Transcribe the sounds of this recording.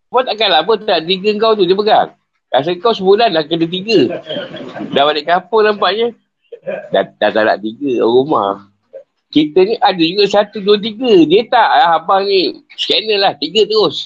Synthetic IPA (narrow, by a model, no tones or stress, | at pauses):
bat̪aʔkalabət̪adaʔt̪iɡəəŋkawt̪̬udiəpəɡa̰ŋ | kas̬əŋkawsəbulanlakədət̪̬iɡə | dawaləʔkapʊŋlampaʔɲə | da̰dat̪ada̰ʔt̪iɡəɾuma̰h | kit̪əniʔadəd͡ʒuɡasat̪uduət̪̬iɡədiət̪aʔɦabanisə̥kenəlaht̪iɡət̪əɣʊs